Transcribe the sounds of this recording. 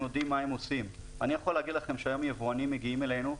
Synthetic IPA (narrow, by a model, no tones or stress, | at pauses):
jodimːaemo̞sim | anijaχolːeaɡid̪laχe̞mʃeajo̞mjevoanimːeɡiime̞le̞nu